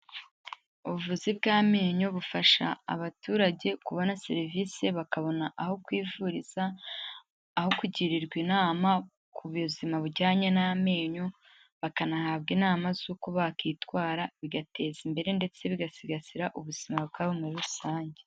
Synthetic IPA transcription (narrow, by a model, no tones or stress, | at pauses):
uβuvuzibɡaːme̞ːɲoβufaʃa̰ːβatuːɾaɟe̞kuβonaseɾiviːse̞βakaβo̞naʔaho̞kwiːvuɾiz̥aː | ho̞kuɟiɾiɾɡwiːnaːma | kʰuβuzimaβuɟaːɲe̞name̞ːɲo̞ | βakanahaːbɡinaːmazuːkoβakiːtwaːɾaβiɡate̞zimbe̞ɾe̞nde̞t͡se̞βiɡasiɡasiɾaʔuβuz̥imabɡaːβomuɾiɾuusaːɲɟe